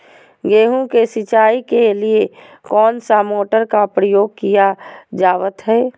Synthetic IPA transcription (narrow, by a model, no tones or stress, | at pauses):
ɡeːɦũkesɪt͡ʃaːikelie | kɔːnsamoːʈəɾkapɾəjoːɡ̚kijad͡ʒaːʋət̪ɦɛː